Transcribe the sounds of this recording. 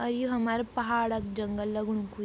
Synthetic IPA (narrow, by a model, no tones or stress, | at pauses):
ɐɾjuɦɐmaːɾepɐɦaːɽɐk̚d͡ʒɐŋɡəlːɐɡɽũku